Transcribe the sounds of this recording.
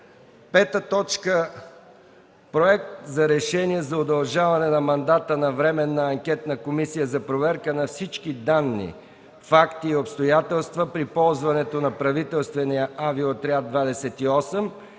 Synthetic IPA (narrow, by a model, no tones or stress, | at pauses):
pɛt̪ət̪ɔt͡ʃkə | pɾoɛk̚t̪zɐɾɛʃɛniɛzɐod̪ɐlˠʒavɐnɛnɐmɐnd̪at̪ənɐvɾɛmɛnːəɐŋkʲɛt̪nəkomisijəzɐpɾovɛɾkənɐfsit͡ʃkid̪anːḭ | fakt̪iːopst̪ojat̪ɛlˠst̪vəpɾipɔlˠzvɐnɛt̪onɐpɾɐvit̪ɛlˠst̪vɛnijəʔaviot̪ɾiad̪̚d̪vad̪ɛsɛt̪iɔsɛm